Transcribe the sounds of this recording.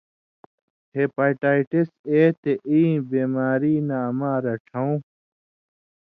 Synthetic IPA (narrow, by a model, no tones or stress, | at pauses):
heːpaːʈaːiʈiseːt̪eʔĩːbeːmaːɾiːnaːmaːɾɐʈʰɐw̃